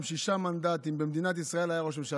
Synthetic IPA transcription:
ʃiʃamand̪at̪imbemd̪inat̪̬isʁae̞lajaʁoʃ̬emʃa

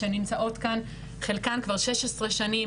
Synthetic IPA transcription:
enimt͡saʔo̞tkan | χelkankvaʁʃeʃesʁeʃani

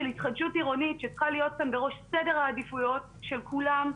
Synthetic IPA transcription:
elhitχadʃutiʁo̞nitʃet͡sχalijo̞t̚kambeʁo̞ʃsedeʁhaːdifujo̞t̚ | ʃe̞lkulam

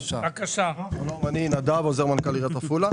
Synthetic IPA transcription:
ʃaakaʃanomaninad̪avozeʁmankaliʁat̪afula

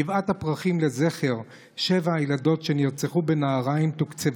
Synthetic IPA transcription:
ivat̪hapʁaχimle̞zeχe̞ʁ | ʃevaajlado̞tʃeniʁt͡seχubenaːʁaimt̪ukt͡sev

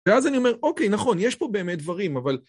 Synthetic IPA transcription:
eazanio̞me̞ʁo̞kejnaχo̞njeʃpo̞be̞ːmet̚d̪vaʁimaval

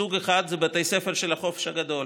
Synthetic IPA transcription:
uɡeχad̪zebat̪ejsefeʁʃelaχo̞fe̥ʃhaɡad̪o̞l

